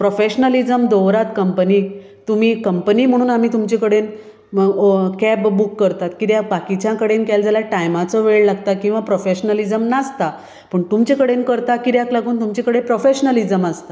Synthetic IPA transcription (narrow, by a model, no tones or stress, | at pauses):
pɾofeɕnəlid͡zəmd̪ɔʋɾat̪kəmpəni | t̪um̤iːkəmpəniːm̤əɽ̃uːnamiːt̪umt͡ɕekəɽen | kɛbbukːəɾt̪at̪kid̪jabakit͡ɕjãkəɽenkajld͡zalaʈajmat͡sɔʋeɭlaɡt̪akĩw̃ʋapɾofeɕnəlid͡zəmnast̪a | pəɳt̪umt͡ɕekəɽenkəɾt̪akiɾjaklaɡʱuːnt̪umt͡ɕekəɽepɾofeɕnəlid͡zəmast̪a